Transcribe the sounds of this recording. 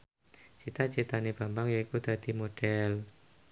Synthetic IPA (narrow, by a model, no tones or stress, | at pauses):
t͡ʃit̪at͡ʃit̪aneb̥a̤mbaŋjaikud̪̥a̤d̪̥i̤moɖ̥ɛl